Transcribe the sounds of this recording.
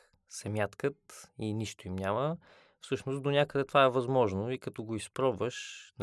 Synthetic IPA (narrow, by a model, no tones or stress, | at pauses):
sɛmʲjat̪kət̪iniʃt̪oimnʲamə | fsɤʃnosd̪onʲakəd̪ɛt̪ovaɛvɐzmɔʒnoikɐt̪ɔɡoispɾɔbvəʃn